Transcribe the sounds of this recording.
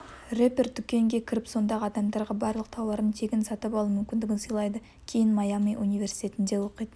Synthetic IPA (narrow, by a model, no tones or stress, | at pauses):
repʲerd̪ʏkʲe̞ŋɡʲe̞kʲʰɪɾɪpso̞nd̪ɑʁəɑd̪ɑmd̪ɑɾʁɑbɑɾlˠəq̚t̪ʰɑwɑɾənt̪ʰe̞ɡʲɪnsɑt̪əpɑlˠumʏmkʲɪnd̪ɪɡʲɪnsəjlˠɑjd̪ə | kʲʰe̞jɪnmɑjamijʔunijvʲe̞ɾrsi̥t̪ʰʲe̞t̪ɪnd̪e̞wo̞qəjt̪ə